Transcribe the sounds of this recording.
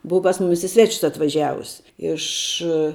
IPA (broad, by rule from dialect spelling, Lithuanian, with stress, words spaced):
ˈbʊʋɐ pɐs ˈmʊmʲɪs ɪ ˈsʲʋʲæːt͡ʃʲʊs ɐtʋɐˈʒʲæːʋʊs ˈɪʃ